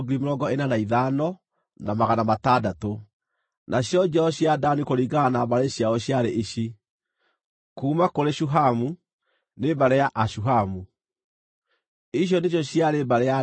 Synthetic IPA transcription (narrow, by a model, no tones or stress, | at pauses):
ɡiɾimoɾɔɡɔenanaiðanɔ | namaɣanamatadato | nʔaɕjɔd͡ʑɛɔɕjadanikoɾiɡaɣanabaɾeɕjaɔɕjaɾeʔiɕi | kuːmakoɾeɕuɦamu | nebaɾɛjaʔaɕuɦamu | iɕ̬jɔneɕjɔɕiaɾebaɾɛa